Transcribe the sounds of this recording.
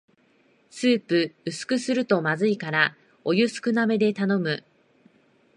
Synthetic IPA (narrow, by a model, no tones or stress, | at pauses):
sɨːpɯ̟ɯsɨ̥kɯ̟sɨɾɯ̟t̪o̞mazɨikaɾa | o̞jɯsɨ̥kɯ̟name̞d̪e̞t̪ano̞mɯ̟